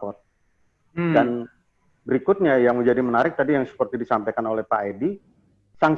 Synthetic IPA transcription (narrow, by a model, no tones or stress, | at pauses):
ɔt̪̚ | dan | bəɾikʊt̪̚ɲajaŋməd͡ʒadimənaɾɪk̚t̪adijaŋsə̥pərt̪idisampajkanolɛhpaedi | saŋ